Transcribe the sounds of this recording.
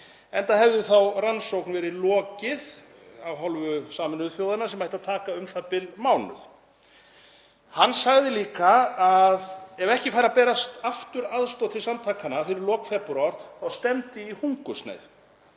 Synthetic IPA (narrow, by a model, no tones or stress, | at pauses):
ɛnt̪aɦɛvðʏθawransowknvɛːɾɪlɔːcɪð | awɦɔlvʏsaːmɪnʏðfjowðanasɛmːajt̪aðt̪ʰaːkaʏmθapɪlmaːwnʏ̰ð | hanːsaɣðɪliːkaaðɛvɛhcɪfajɾapɛːɾast̪aft̪ʏɾaðst̪ɔt̪ʰɪlsamt̪ʰaːkʰanafɪɾɪɾlɔːkfɛpɾawɾðawst̪ɛmt̪ɪihuŋkʏst̪na̰jð